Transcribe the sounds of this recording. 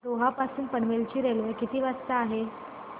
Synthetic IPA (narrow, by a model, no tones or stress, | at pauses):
ɾoɦapasuːnpəɽʋelt͡ɕiːɾelojkit̪iːʋast̪aːɦe